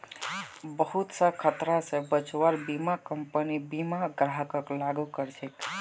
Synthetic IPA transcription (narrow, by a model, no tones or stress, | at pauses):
bəɦut̪səkʰət̪ɾasẽbət͡ʃwaɾbimakəmpənibimaɡɾaɦəkəklaɡukəɾt͡ʃʰek